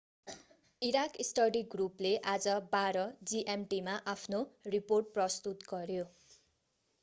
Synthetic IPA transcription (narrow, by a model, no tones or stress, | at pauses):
iɾakisʈʌɖiɡrupleʔad͡zʌbaɾʌd͡ziʔemʈimaʔapʰnoriporʈ̚prʌst̪ut̪ɡʌɾjo